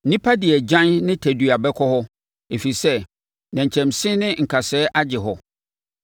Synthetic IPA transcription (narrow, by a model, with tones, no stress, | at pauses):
nĩ˦pʰa˦dɪ˨ɛ˨d͡ʑã˦nnɪ̃˦tʰæ˨du˨a˨bɛ˦kʰɔ˦hɔ˦ | e˨fi˨sɛ˦ | nã˨ɲ˨t͡ɕʰɛ̃˨msɪ̃˦nɪ̃˦ŋ̩˨kʰa˨sɛː˦ʔa˦d͡ʑɪ˨ɦɔ˨